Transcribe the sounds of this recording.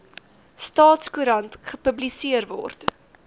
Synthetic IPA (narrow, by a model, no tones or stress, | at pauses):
stɑːtskuɾɐntχəpəblisiərvɔ̰rt